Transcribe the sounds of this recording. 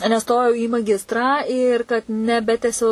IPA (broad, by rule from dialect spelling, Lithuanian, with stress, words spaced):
nʲɛˈstoːjɛʊ iː mɐˈɡʲɪstrɑː ɪr kɐt nʲɛˈbʲæːtʲɛsʲɛʊ